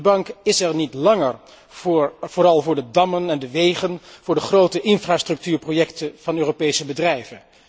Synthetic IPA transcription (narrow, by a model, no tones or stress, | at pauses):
bɑŋkɪsɛɹnitlɑŋəɹ | v̥ʊːɾɑlˠvʊːɹdədɑmənɛndəʋejχənv̥ʊːɹdəχrowtəʔɪnfraːstrɵk̚tyːɹprojɛktəv̥ɑnøːropejsəbədrɛjvən